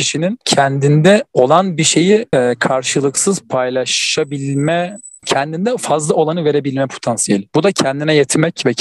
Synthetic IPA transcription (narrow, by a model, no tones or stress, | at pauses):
iʃinincʰɛnd̪ind̪ɛo̞lˠanbiʃe̞jikʰaɾʃɯlˠɯksɯz̥pʰajlˠaʃabilʲmɛ | cʰɛnd̪ind̪ɛfazlˠao̞lˠanɯve̞ɾe̞bilʲmɛpʰo̞̥t̪ʰansijelʲbud̪acʰɛnd̪inɛjet̪ʰimɛcvɛ